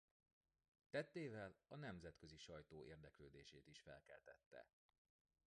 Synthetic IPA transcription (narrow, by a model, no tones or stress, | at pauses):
t̪ɛt̪ːeːvɛlɒnɛmzɛt̪køziʃɒjt̪oːʔeːrd̪ɛkløːd̪ḛːʃeːt̪iʃfɛlkɛlt̪ɛt̪ːɛ̰